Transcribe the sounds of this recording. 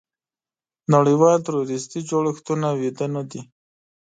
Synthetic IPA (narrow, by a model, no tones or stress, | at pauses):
naɽəjwɑlt̪aɾoɾɪst̪id͡ʒoɽɪxt̪unawid̪anad̪i